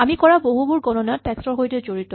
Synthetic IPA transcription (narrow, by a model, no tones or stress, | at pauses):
amikɔɹaboɦubuɹɡɔnɔnatːɛkstɔɹɦojtɛzoɹitɔ